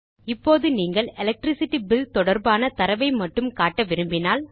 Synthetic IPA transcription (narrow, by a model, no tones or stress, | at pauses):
ɪpːoːðɯniːŋɡɐɭɛlɛk̚ʈɾɪsɪʈːibɪlt̪ɔɽɐɾbaːnɐt̪ɐɾɐʋɐɪmɐʈːɯmkaːʈːɐʋɪɾɯmbɪnaːl